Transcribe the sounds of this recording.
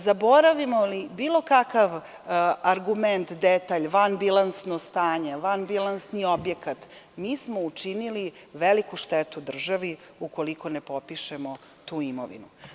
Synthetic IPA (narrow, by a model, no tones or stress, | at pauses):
zabo̞ɾaʋimolibiːlˠo̞kakaʋ | aɾɡument̪d̪et̪aʎʋanbilˠansnost̪aːɲe̞ʋanbilˠansnio̞bjekat̪miːsmout͡ʃiniliʋelikuʃt̪et̪ud̪r̩ʒaʋi | uko̞liko̞nepo̞piʃemo̞ | t̪uːimo̰ʋḭnu